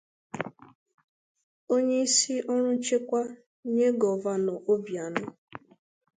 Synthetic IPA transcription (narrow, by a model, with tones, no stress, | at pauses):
o˦ɲe˦i˦si˦ʔɔ˦ɾ̃ʊ˦t͡ʃe˦kʷa˦ | ɲe˦ɡɔ˨va˦nɔ˨ʔo˦bja˨nʊ˦